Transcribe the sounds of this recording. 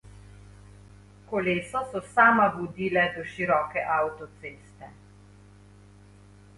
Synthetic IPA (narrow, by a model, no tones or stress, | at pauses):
kɔleːsɔsɔsaːmabud̪iːlɛd̪ɔʃiɾɔːkɛʔawt̪ɔt̪seːst̪ɛ